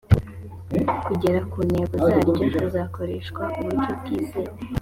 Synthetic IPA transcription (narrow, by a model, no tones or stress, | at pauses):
kuɟe̞ɾakuːneɡozaɾɟoʃozako̞ɾeʃkwauβuit͡ʃobɡiːzeɾ